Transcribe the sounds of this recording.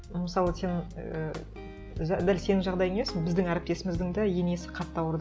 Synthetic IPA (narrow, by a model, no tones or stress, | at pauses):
məsɑlˠəse̞nə | ʒd̪ælse̞nɪŋʒɑʁd̪ɑjəŋemesɪŋbɪzd̪ɪŋæɾɪp̚t̪e̞sɪmɪzd̪ɪŋd̪ɑje̞ne̞sɪ̥qʰɑt̪ːɑwəɾd̪